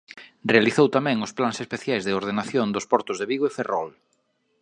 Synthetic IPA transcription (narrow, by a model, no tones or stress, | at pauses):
realiθowt̪amɛ̃ŋʊsplaŋsespeθjajzðɪoɾð̞enaθjond̪ospɔɾt̪ʊzðeβiɣoeferɔl